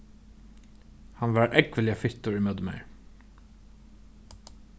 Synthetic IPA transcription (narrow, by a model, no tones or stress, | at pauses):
hɑnʋɑːɹʔɛɡʋəlɪɑfɪst̪ʊɹiːmœd̪mæ̰ɪɹ